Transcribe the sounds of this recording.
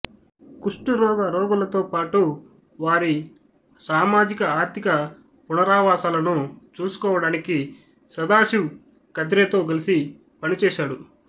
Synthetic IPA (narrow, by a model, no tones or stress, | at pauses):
kuʂʈuɾɔːɡɐɾɔːɡɐlɐt̪o̞ːpaːʈu | ʋaːɾi | saːmaːd͡ʒikɐaːɾt̪ʰikɐ | punɐɾaːʋaːsaːlɐnut͡ʃuːsu̥kɔːʋɐɽaːniki | sɐd̪aːʃi | kɐd̪ɾeːt̪o̞ːɡɐlisi | pɐnit͡ʃɛːʃaːɽu